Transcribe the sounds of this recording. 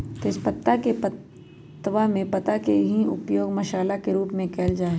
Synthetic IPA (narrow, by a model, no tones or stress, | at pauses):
t̪espɐt̪ːakepɐ | t̪ːʋamẽpɐt̪akeɦiʊ̰pjoːɡmɐʃaːlakeɾuːpmẽkʰɛːld͡ʒaːe